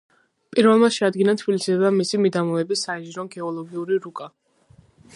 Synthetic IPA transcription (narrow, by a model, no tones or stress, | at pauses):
pʼiɾvɛlˠmaʃɛad̪̚ɡinat̪ʰb̥ilisid̪ɛbd̪amisimid̪amɔɛbisːaiʒiɾɔɡɛɔlˠɔɡiuɾiɾukʼa